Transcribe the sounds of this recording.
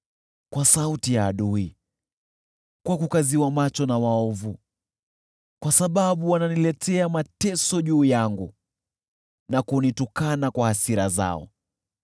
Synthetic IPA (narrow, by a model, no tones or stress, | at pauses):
kwasautijaːɗui | kwakukaziwamat͡ʃɔnawaɔvu | kwasaɓaɓuwananilɛtʰɛamatɛsɔʄuːjaŋɡu | nakunitukanakwahasiɾaza̰ɔ̰